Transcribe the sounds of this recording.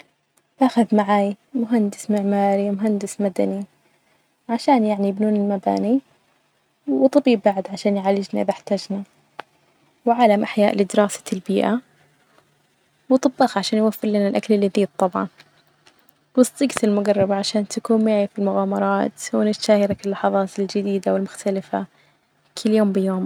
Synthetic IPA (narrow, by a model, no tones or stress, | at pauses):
baːxaðmaʕaːj | mʊɦand̪ɪsmɪʕmaːɾimʊɦand̪ɪsmad̪a̰ni | ʕaʃaːnjaʕnijɪbnuːnɪlmaba̰ːni | wt̪ˤɑbiːbbaʕd̪ʕaʃaːnjʕaːlɪd͡ʒnaʔɪðaħt̪aːd͡ʒna | wʕaːlamʔaħjaːʔlɪd̪ɪɾɑːsḁlbiːʔa | wt̪ˤɨbːɑːxʕaʃaːnjwafːɪɾlanalʔaklɪlːiðiːd̪̚t̪ˤːɑbʕɑ̰n | wɨst̪ˤːɪɡt̪ɪlmʊɡɑrˤːɑbaʕaʃaːnt̪akuːnmɪʕifilmʊɣaːmɑɾˤɑːt̪wɪnɪt̪ʃaːjaɾakɪlːɑħɑðˤɑːt̪ɪld͡ʒɪd̪iːd̪awɪlmʊxt̪alɪfa̰ | kʰɪlːjoːmbɪjoːm